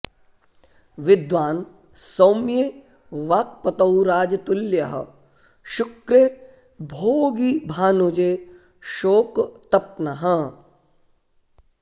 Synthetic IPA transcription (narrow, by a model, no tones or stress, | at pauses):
ʋɪd̪ʋaːn | soːmje | ʋaːk̚pɐt̪ɐwɾaːd͡ʒt̪ʊljɐɦə | ʃʊkɾe | bʱoːɡibʱaːnod͡ʒe | ʃoːkt̪ɐp̚naɦɐ